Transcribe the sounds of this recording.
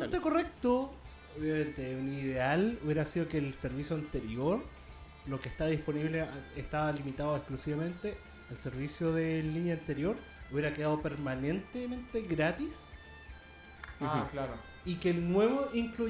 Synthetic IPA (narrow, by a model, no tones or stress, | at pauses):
t̪ekorek̚t̪o | oβjament̪euniðealuβjeɾasiðokelseɾβisjoant̪eɾjoɾ | lokest̪aðisponiβleʔehst̪aβalimit̪aðoeksklusiβamẽ̞nt̪eː | lse̞ɾβisjoðelinjaːnt̪e̞ɾjo̞ɾ | uβje̞ɾakeðaðopeɾmane̞nt̪emẽ̞nt̪e̞ɣɾat̪is | klaɾo | ikelnweβoʔiŋklu